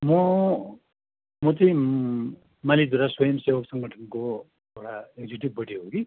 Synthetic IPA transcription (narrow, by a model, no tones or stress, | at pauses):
mʌ | mʌt͡sʌĩ | malid̪uɾaswʌjʌmsewʌksʌŋɡʱʌʈʰʌnko | ewɽaekd͡ziʈib̚bʌʈiɦoɡi